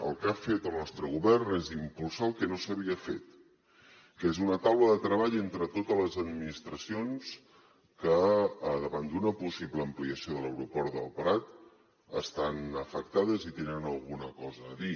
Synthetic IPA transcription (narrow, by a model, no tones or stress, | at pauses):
ə̰lˠkafet̪əlˠnɔst̪ɾəɣ̞uβɛrnezimpulˠsaəlˠkənosəβiəfḛt̪ | kezunət̪awləðət̪ɾəβaʎent̪ɾət̪ot̪ələzəd̪minist̪ɾəsions | kəðəβand̪unəpusiβləːmpliəsioðələwɾupɔɾðə̰lˠpəɾat̪ | ə̰st̪anəfək̚t̪aðəzit̪enənəlˠɣunəkɔzəːði